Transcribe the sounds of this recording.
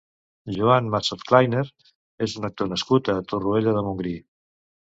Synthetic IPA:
ʒuanmasot̪klajneɾ | ezunək̚t̪onəskut̪ət̪urueʎəðəmuŋɡɾi

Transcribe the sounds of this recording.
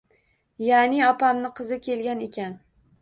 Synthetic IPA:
janɪɒpamnɪqʰɨzɪkʲʰe̞lɡʲane̞kʲan

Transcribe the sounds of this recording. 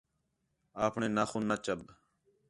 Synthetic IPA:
aːpʰɳeːnaːxuːnat͡ʃəb

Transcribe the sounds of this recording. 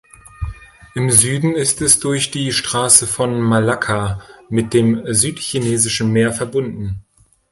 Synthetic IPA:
ʔɪmzyːdn̩ɪstɛsd̥ʊɐçd̥iːʃtʁ̥aːsəfɔnmalakʰamɪt̚d̥eːmzyːtçineːzɪʃn̩meːɐfɛɐbʊndn̩

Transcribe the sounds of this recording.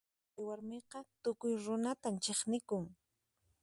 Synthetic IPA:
ɪwaɾmeqɑt̪ʊkʊjɾʊnat̪amt͡ʃeχnɪkʊŋ

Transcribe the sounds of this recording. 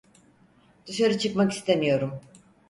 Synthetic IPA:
d̪̥usaɾɯt͡ʃʰɯkmaki̥st̪ʰemijo̞ɾum

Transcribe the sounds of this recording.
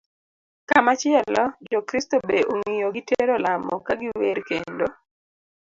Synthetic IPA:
kamat͡ʃɪɛlɔd͡ʒɔkɾistobeʔoŋijoɡɪteɾolamɔkaɡɪweɾkendo

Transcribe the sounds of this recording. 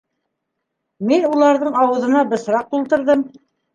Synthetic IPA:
minulˠɑɾðɤɴɑwɤ̆ðɤ̆nɑbɤ̆sɾɑq̚t̪ulˠt̪ɤ̆ɾðɤm

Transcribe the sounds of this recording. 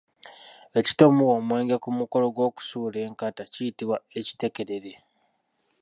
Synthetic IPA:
e̞ci̥to̞muwomwe̞ːŋɡekumuko̞lo̞ɡwo̞ːku̥suːle̞ːŋkatacijitiwaeci̥te̞ke̞ɾe̞ɾe

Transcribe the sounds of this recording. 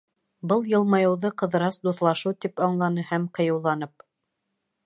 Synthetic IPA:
bɤlˠjɤ̆lˠmɑjɤ̆wðɤqɤ̆ðɤ̆ɾɑsd̪uθlˠɑʃɤwt̪ipɑɴlˠɑnɤhæmqɤ̆jɤ̆wlˠɑn̪ɤp̚

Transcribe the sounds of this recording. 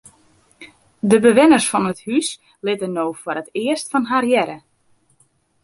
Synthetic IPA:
dəbəʋɪnərsfɔnəthys | lɪtənoːfwəɾətɪəstfɔnɦarjɛɾə

